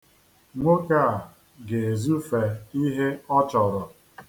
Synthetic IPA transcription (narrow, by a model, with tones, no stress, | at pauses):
ŋʷo˦ka˦˨ | ɡe˨e˨zu˦fe˨i˦ɦe˦ɔ˦t͡ʃɔ˨ɾɔ˨